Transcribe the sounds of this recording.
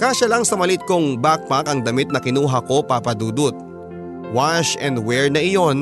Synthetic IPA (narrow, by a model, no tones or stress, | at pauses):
kaːʃɐlaŋsɐmɐlɪt̪̚koŋbak̚pakɐŋd̪ɐmɪt̪̚nɐkɪnuːɦɐko̞papɐd̪uːd̪ʊt̪̚ | waʃɛnd̪wɛɹnɐʔɪjo̞n